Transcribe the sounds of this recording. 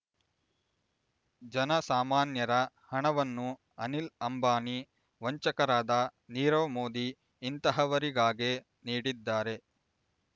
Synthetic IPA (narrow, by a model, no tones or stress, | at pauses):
d͡ʒɐnɐsaːmaːnjɐɾɐ | hɐɳɐʋɐnːu | ɐnilɐmbaːni | ʋɐɲt͡ʃɐkɐɾaːd̪ɐniːɾɐʋmoːd̪iː | nt̪ɐɦɐʋɐɾiɡaːɡe | niːɽid̪ːaːɾe̞